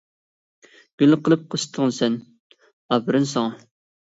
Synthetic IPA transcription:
ɡ̥ʲylqʰəlˠɨp̚qʰəst̪ʰəʁənsɛn | ɑbɨɾɨnsɑŋɑ

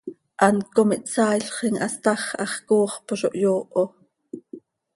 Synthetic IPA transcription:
ʔɑnkomiʔt͡sɑːjɬχiŋʔɑst̪ɑχʔɑχkoːχpoʃoʔjoːʔo

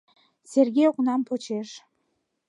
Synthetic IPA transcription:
sʲerɡʲejoknɑmpʰot͡ɕeʃ

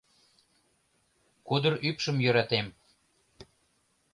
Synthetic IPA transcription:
kud̪əɾypʃəmjøɾɑt̪em

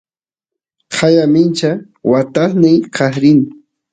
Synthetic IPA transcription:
qʰajamɪnt͡ʃa | wat̪asnɪjkʰɑhɾɪn

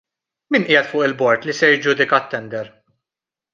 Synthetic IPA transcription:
miːnʔɪːjɛt̪fʊːʔɪlbɔɾt̪lisɛɾjd͡ʒud̪ɪkɐt̪ːɛnd̪ɛɾ

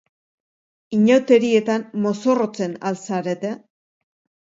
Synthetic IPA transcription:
iɲawt̪e̞ɾie̞t̪anmo̞so̞ro̞t͡se̞nalsaɾe̞t̪e

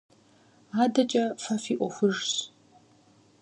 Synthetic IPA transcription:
aːdɐt͡ʃʼɐfɐfiːʔʷɔxʷʊʐɕ

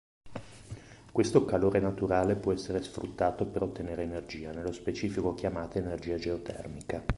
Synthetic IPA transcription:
kwest̪okaloːɾenat̪uɾaːlepwɔɛsːeɾesfɾṵt̪ːaːt̪opeɾot̪ːeneːɾeːnerd͡ʒiːanelːospet͡ʃiːfikok̟jamaːt̪aenerd͡ʒiːad͡ʒeot̪ʰɛ̰rmika

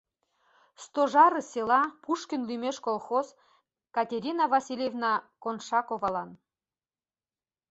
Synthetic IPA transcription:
st̪oʒɑɾɤsʲelɑpuʃkə̆nlymeʃkolˠxoz | kɑt̪ʲeɾʲinɑvɑsʲilʲjevnɑkonʃɑkovɑlɑn

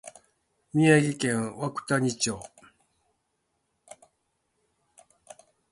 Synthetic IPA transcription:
mʲiaɡʲikẽ̞ɰ̃βakɯ̟̥t̪aɲit͡ɕoː

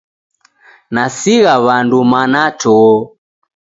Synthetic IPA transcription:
nasiɣaβandumanatʰɔ

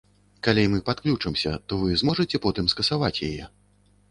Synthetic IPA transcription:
kalʲɛjmɨpat̪klʲut͡ʂɨmsʲɐ̰t̪ɔvɨzmɔʐɨt͡sʲɛpɔt̪ɨmskɐsavat͡sʲjajɛ

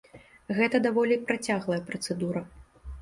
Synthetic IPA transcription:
ɣɛt̪ɐd̪avɔlʲipɾat͡sʲaɣlˠɐjɐpɾɐt̪sɛd̪uɾɐ

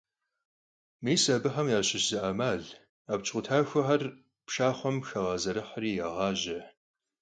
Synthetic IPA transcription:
miːsɐbɨħɐmjaːɕɪʃzɨʔamaːɮ | apt͡ʃʼʷʊtʰaːxʷɐħɐr | pʃaːχʷɔmxɐʁɐzɐɾɨħriːjaʁɑːʒɐ

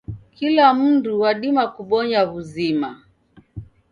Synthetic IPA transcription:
kilam̩nduwaɗimakuɓɔɲaβuzima

